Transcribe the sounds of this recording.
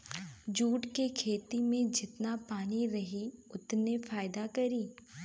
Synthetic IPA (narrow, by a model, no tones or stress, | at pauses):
d͡ʒuːʈkekʰeːt̪imẽd͡ʒɪt̪napaːniɾɐɦiʊt̪nefaːɪd̪akɐɾiː